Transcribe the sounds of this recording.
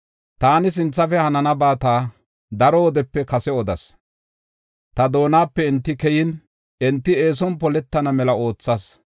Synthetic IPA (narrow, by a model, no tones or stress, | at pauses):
t̪aːnɪs̬ɪnt͡sːɐfɛhɐnɐnɐbaːt̪aː | d̪ɐɾɔwɔd̪ɛpːɛkɐsɛɔd̪ɐ̰s | t̪ɐd̪o̞ːnaːpːɛɪnt̪ːɪkɛjɪn | ɛnt̪ːɪe̞ːs̬ɔnpɔlɛt̪ːɐnɐmɛlɐo̞ːt͡sːɐs